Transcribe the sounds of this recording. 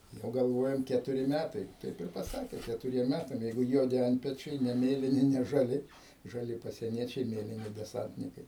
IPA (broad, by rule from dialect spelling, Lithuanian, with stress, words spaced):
ˈjɛʊ ɡɐlˠˈʋoːjɛm ˈkʲæːtʊrʲɪ ˈmʲætɐɪ ˈtɐɪp ɪr pɐˈsɑːkʲeː kʲɛtʊˈrʲiɛm ˈmʲætɐm ˈjɛɪɡʊ ˈjuɔdʲɪ ˈɐnʲtʲpʲɛt͡ʃʲɛɪ nʲɛ ˈmʲeːlʲɪnʲɪ nʲɛ ʒɐˈlʲɪ ʒɐˈlʲɪ pɐsʲiɛˈnʲiɛt͡ʃʲɛɪ ˈmʲeːlʲɪnʲɪ dʲɛˈsɐnʲtʲnʲɪkɐɪ